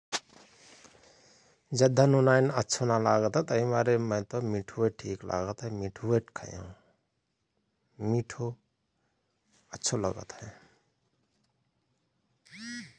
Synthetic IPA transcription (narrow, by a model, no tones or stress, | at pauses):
d͡ʒəd̪ʱːənunainətːʰonalaɡət̪ɦɛt̪əɦĩmaɾemə̃jt̪ɔmiʈʰueʈʰiklʔa̰ɡət̪ɦemiʈʰuweʈkʰə̰jã̰ | miʈʰo | ətːʃʰolə̰ɡə̰t̪ɦɛ